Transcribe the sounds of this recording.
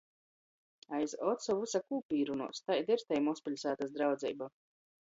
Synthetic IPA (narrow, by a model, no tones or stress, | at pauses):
ajzɔt̪sɔvusakuːpʲiːɾunṵɔst̪ajd̪iɾt̪ɛjmɔspʲilʲsaːt̪asd̪ɾawd̪zʲɛ̰ːba